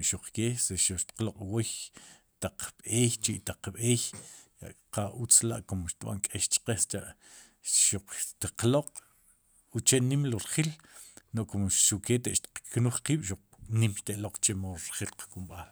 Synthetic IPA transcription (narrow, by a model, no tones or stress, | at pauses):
ʃuq͡χkeːseʃuʃt̪i̥qloqʼwoj | t̪aq͡χɓeːjt͡ʃiʔt̪aq͡χɓeːjja̰ʔqaut͡sla̰ʔkomʃt̪ɓa̰ŋkʼeʃt͡ʃqest͡ʃa̰ʔ | ʃuq͡χt̪iqloqʼ | ut͡ʃenimloɾχilnoʔkomʃuʔket̪eʔʃt̪i̥qknuχqiːɓ̥ʃuq͡χ | nimʃt̪eʔloq͡χt͡ʃemoɾɾχilqḁkumɓaːl